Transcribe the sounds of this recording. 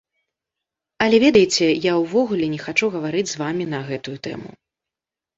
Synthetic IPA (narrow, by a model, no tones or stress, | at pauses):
ɐlʲɛvʲɛd̪ɐjt͡sʲɛjawvɔɣulʲɛnʲɛxat͡ʂuɣɐvaɾɨd͡zʲzvamʲin̪ɐɣɛt̪ujut̪ɛ̰mṵ